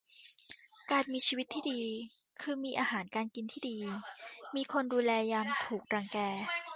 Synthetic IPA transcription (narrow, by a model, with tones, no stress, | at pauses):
kaː˨˩nmiː˧t͡ɕʰiː˧wi˦t̪ʰːiː˥˩diː˧kʰɯː˧miː˧ʔaː˧haː˩˦nkaː˧nki˧nt̪ʰiː˥˩diː˧miː˧kʰo˧nduː˧lɛː˧jaː˧mt̪ʰuː˨˩k̚ɾaː˧˩ŋkɛː˧